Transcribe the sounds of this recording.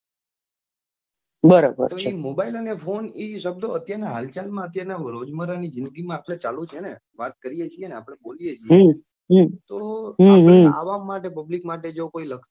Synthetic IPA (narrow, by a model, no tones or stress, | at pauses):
bəɾobə̰ɾt̪omobailənefʰoniʃəb̚d̪oət̪jaɾenaɦalt͡ʃalmãət̪jaɾenaɾod͡ʒməɾanid͡ʒɪnd̪əɡimãapɽ̃et͡ʃalũt͡ʃʰene | ʋat̪kəɾijet͡ʃʰieəneapəɳ̃ebolijet͡ʃʰijɦ | ɦt̪oɦaɦea̰ʋamːaʈepəblikmaʈed͡ʒokoiləkʰt̪o